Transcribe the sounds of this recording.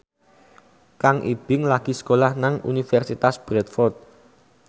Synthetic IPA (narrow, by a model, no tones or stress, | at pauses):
kaŋʔḭb̥ɪŋlaɡ̥i̤skolahnaŋṵnifɛrsit̪asb̥ɾɛt̪̚fɔrt̪̚